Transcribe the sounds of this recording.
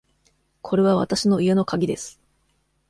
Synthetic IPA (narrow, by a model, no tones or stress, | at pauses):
kʰo̞ɾe̞βaβa̰t̪aɕino̞ije̞no̞kaɡʲid̪e̞sɨ̥